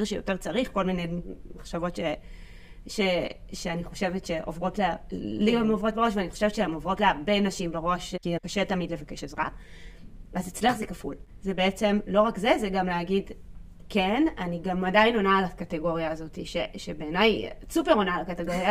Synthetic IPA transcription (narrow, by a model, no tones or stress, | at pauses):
iʁʃejote̞ʁt͡saʁiχko̞lmine̞jmaχʃavo̞tʃe | ʃeʃeaniχo̞ʃevetʃe̞ʔovʁo̞tlelibamovʁo̞t̚beʁo̞ʃveaniχoʃevetʃeemovʁo̞tleaʁbenaʃimbeʁo̞ʃkikaʃetamidle̞vakeʃezʁa̰ | azit͡sliaχzekaful | zebeet͡se̞mlo̞ʁakze̞zeɡamleaɡid | kenaniɡamadajino̞naːlakateɡo̞ʁjaːzo̞tiʃeʃebeːnajsupe̞ʁo̞nalakateɡo̞ʁja